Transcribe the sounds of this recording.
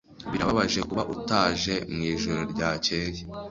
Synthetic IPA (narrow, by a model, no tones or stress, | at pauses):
βiɾaβaβaʒe̞kuβaʔutaːʒe̞mŋiːʒoɾoɾɟaːce̞ːje